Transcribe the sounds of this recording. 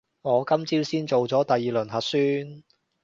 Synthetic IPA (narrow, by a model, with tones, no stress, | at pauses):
ŋɔː˨˧kɐ˥mt͡siː˥wsiː˥nt͡so˨wt͡sɔː˨˥t̪ɐ˨jːiː˨lɵ˨˩nɦɐ˨t̚syː˥n